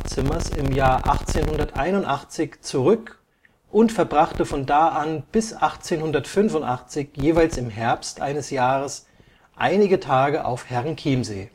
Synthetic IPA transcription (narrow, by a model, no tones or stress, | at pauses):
t͡sɪmɐsɪ̰mjaːɐʔa̰χt͡seːnhʊndɐtʔa̰ɪnʊntʔaχt͡sɪçt͡suʁʏk | ʔʊntfɛɐbʁaχtəfɔndaːʔanb̥ɪsʔaχt͡seːnhʊndɐtfʏnvʊntʔaχt͡sɪçjeːvaɪlsɪmɦɛɐpstʔa̰ɪnəsjaːʁəs | ʔa̰ɪnɪɡətʰaːɡəʔa̰ʊfhɛʁnkʰiːmzeː